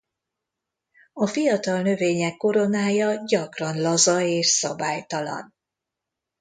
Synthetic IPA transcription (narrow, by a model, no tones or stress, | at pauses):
ɒfijɒt̪ɒlnø̞veːɲɛkːo̞ɾo̞naːjɒɟɒkrɒnlɒzɒeːʃsɒbaːjt̪ɒlɒ̰n